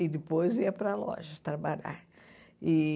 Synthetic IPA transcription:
ɪd̪ɪpojziɐpɾɐlɔ̰ʒɐst̪ɾabaʎa̰ɾ | ɪ

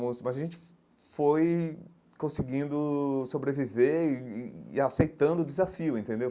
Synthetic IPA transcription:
mʊsmɐzaʒẽnt͡ʃɪ̥ | foj | kõsiɡĩnd̪ʊsobɾeviveɾː | asejt̪ɐ̃nd̪ʊd̪ɪzafiʊẽt̪ẽnd̪ew

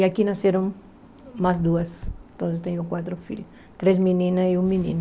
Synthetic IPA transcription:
iɐkinɐseɾõŋ | masd̪uɐsẽt̪õs̬est̪ẽɲokwat̪ɾʊfḭʎʊ | t̪ɾesminĩnɐiũminḭ̃n

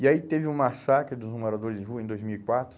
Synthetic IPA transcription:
iait̪evɪũmasakɾɪd̪ʊzmoɾad̪oɾɪzd͡ʒɪɦuɐẽd̪ojzmiwikwat̪ɾʊ

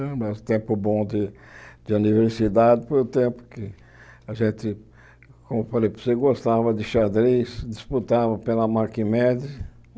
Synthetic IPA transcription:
mɛst̪ẽpʊbõd̪ɪ | d̪ɪuniveɾsid̪ad̪ɪfoɾʊt̪ẽmpʊ̥kɪ | ɐʒẽnt̪ɪ | kõmʊfalejposeɡost̪avɐd̪ɪʃad̪ɾisd̪isput̪avɐpelɐmakimɛd̪ɪ

